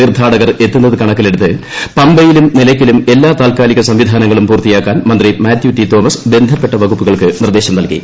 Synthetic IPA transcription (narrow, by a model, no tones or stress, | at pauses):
iːrd̪ʱaːɽɐɣɐre̞t̪ːunːɐðɨkɐɳɐkːile̞ɽut̪ːɨpɐmbɐjilumnilɐkʲːilume̞lːaːt̪aːlkaːliɣɐsɐmʋid̪ʱaːnɐŋːɐɭumpuːrt̪ijaːkːaːnmɐnd̪rimaːtjutːit̪o̞ːmɐsbe̞nd̪ʱɐpːe̞ʈːɐʋɐɡupːuɣɐɭkɨnird̪eːɕɐmnɐlkḭ